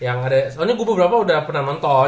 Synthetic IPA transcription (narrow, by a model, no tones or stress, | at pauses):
jaŋadaaɲaɡuabəbəɾapaudahpənahnɔnt̪ɔ